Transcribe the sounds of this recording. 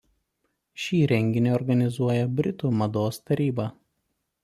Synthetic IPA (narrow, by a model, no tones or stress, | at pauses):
ʃʲiːɾʲɛŋʲɡʲɪnʲeːɔɾɡɐnʲɪzuɔjɛbʲɾʲɪt̪uːmɐd̪oːst̪ɐɾʲiːbɑː